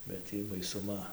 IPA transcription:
bʲɛt ˈtʲiː bɐɪsʊˈmɐ

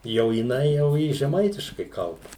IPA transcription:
jɛʊ jɪˈnɐɪ jɛʊ ˈjɪ ʒʲɛˈmɐɪtʲɪʃkɐɪ ˈkɐlˠbɐ

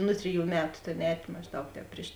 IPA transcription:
ˈnʊ tʲrʲɪˌjuː ˈmʲæːtʊ ˈtʲeːn ˈɛːtʲ mɐʒˈdɐʊk ˈtʲɛːp pʲrʲɪʃ

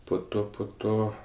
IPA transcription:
poː ˈtoː poː ˈtoː

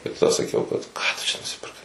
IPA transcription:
tɐɪ tɐˈdɐ sɐˈkʲɛʊ kɐt ˈkɑː tʊ ˈt͡ʃʲɛ nʊsʲɪpʲɪrˈkɐɪ

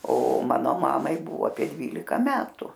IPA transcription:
oː ˈmɑːnoː ˈmɑːmɐɪ ˈbʊʋoː ɐpʲiɛ ˈdʲʋʲiːlʲɪkɐ ˈmʲæːtʊ

